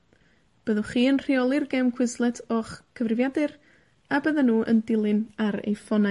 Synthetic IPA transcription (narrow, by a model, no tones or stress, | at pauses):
b̥əðɔχiːənr̥iɔlˠɨrɡɛmkʰw̥ɪzlˠɛtʰɔχkʰəvrɨvjadɨr | abəðanuːʔə̰ndɪlˠɨnaɾḛjfɔna